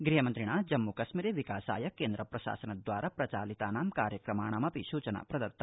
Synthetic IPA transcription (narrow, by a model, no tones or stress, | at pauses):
ɡɾiɦɐmɐnt̪ɾiɳaːd͡ʒɐmːukɐʃmiɾeʋikaːsa̰ːjɐkeːnd̪ɾɐpɾɐʃa̰ːsɐnɐd̪ʋaːɾʔapɾɐt͡ʃaːlit̪aːnaːmkaːɾjɐkɾɐmaːɳaːmɐpiʃuːt͡ʃɐna̰pɾɐd̪ɐɾt̪ʰːɐ